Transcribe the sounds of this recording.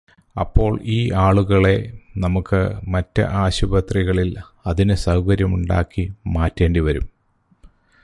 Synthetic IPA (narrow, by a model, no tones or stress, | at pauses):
ɐ̰pːo̞ːɭiːʔaːɭuɣɐɭe̞nɐmukːɨmɐtːɨ̰ʔaːɕubɐt̪riɣɐɭil | ɐðinɨsɐwkɐɾjɐmuɳɖa̰ːkːimaːtːe̞ːɳɖiʋɐɾṵm